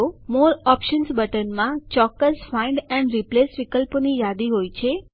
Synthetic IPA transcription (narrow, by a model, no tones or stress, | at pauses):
omoɾɔpʃənsbəʈənmãt͡ʃɔkːəsfaɪɳɖɛɳɖɾiplesʋikəlpnijad̪iɦojt͡ʃʰe